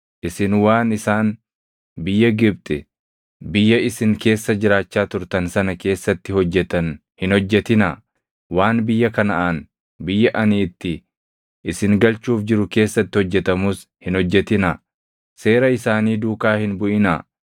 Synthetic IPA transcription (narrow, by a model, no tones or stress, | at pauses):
ʔɪsɪnwaːnɪsaːn | bɪjːɐɡɪb̚t̪ʼɪ | bɪjːɐɪsɪŋke̞ːsːɐd͡ʒɪɾaːt͡ʃːaːt̪ʊɾt̪ɐnsɐnɐke̞ːsːɐt̪ːɪhɔd͡ʒːɛt̪ɐn | hɪnhɔd͡ʒːɛt̪ɪnaː | waːnbɪjːɐkɐnɐʔan | bɪjːɐʔɐniːt̪ːɪ | ʔɪsɪŋɡɐlt͡ʃuːfd͡ʒɪɾʊke̞ːsːɐt̪ːɪhɔd͡ʒːɛt̪ɐmuːs | hɪnhɔd͡ʒːɛt̪ɪna | se̞ːɾɐɪsaːniːd̪uːkaːhɪnbʊʔɪna̰ː